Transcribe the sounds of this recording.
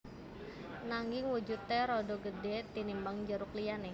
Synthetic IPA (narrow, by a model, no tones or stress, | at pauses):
naŋɡɪŋwud͡ʒut̪ːeɾɔdɔɡədet̪inimbaŋd͡ʒəɾuklijane